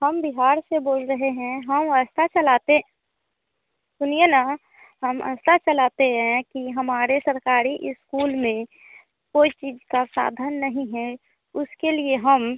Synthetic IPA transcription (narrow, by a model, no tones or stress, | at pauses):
həmbiɦaːɾseboːlɾəɦeɦɛ̃ɦəməst̪at͡ʃəlaːt̪e | sʊnijəna | ɦəmə̰st̪at͡ʃəlaːt̪eɦɛ̃kiɦəmaːɾesəɾkaːɾiʔɪskuːlmẽ | koːit͡ʃiːd͡ʒkasa̰ːd̪ʱənːəɦĩɦɛ | ʊskelieɦəm